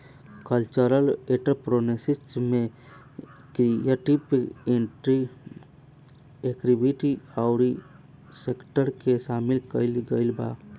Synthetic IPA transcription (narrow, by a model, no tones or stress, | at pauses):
kəlt͡ʃəɾəleʈəɾpɾonesisʈmẽ | kɾieʈibeɳʈɾi | ekɾibiʈiaʊɾi | sekʈəɾkeʃaːmɪlkəɪlɡəɪlba̰